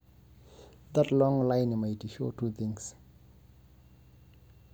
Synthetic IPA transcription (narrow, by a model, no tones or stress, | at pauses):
ðatlɔ̃ŋlãjnmajtiʃotʰuθĩŋs